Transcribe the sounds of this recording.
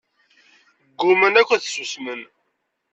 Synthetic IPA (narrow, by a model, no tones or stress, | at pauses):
ɡːʊmənækʷəθsusmən